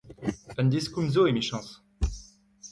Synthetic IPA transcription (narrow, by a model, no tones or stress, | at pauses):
ɛ̃nd̪iskumzoemiʃɑ̃s